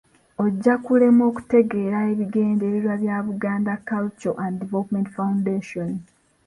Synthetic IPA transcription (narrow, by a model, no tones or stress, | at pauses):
o̞ɟːakule̞mo̞ːku̥te̞ɡe̞ːɾae̞βiɡe̞ːndeβiɾwaβjaːβuɡaːndakːalt͡ʃoʔanddivelopme̞ntfaundeːʃon